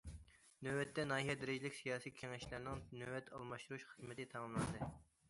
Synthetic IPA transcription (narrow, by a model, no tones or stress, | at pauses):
nøwɛt̪ʰːɛnɑːiɦɛd̪ɪɾɪd͡ʒilɪkʲsijɑːsikʲʰeŋɛʃlæɾnɪŋnøwɛt̪ʰɑlˠmɑʃt̪uɾuʃχəzmɪt̪ɪt̪ʰɑmɑmlˠɑnd̪ɨ